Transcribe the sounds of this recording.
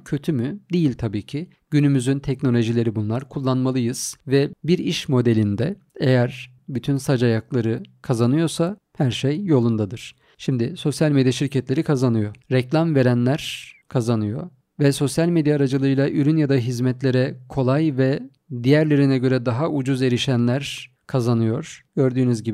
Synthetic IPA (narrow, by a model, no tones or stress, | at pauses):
cʰø̞t̪ʰymyd̪ijilʲt̪ʰabiːcʰi | ɟ̥ynymyzynt̪ʰɛcno̞lʲo̞ʒilʲe̞ɾibunlˠaɾkʰulˠːanmalˠɯjɯz̥vɛbiɾiʃmo̞d̪e̞lʲind̪ɛ | ejæɾ | byt̪ʰynsad͡ʒajaklˠaɾɯkʰazanɯjo̞sa | hæɾʃejːo̞lˠund̪ad̪ɯɾ̥ | ʃimd̪ɪso̞sjalʲme̞d̪jaʃiɾcʰɛt̪lʲe̞ɾikʰazanɯjo̞ɾɛclʲamve̞ɾænlʲæɾ̥kʰazanɯjo̞̰ | vɛso̞sjalʲmed̪jaːɾad͡ʒɯlˠɯjlˠaʔyɾynjad̪aɦizmɛt̪lʲe̞ɾɛkʰo̞lˠajvɛ | d̪ijæɾlʲe̞ɾinɛɟø̞ɾɛd̪aɦaʔud͡ʒuze̞ɾiʃænlʲæɾ | kʰazanɯjo̞ɾ̥ɟ̥ø̞ɾd̪yːnyzɟib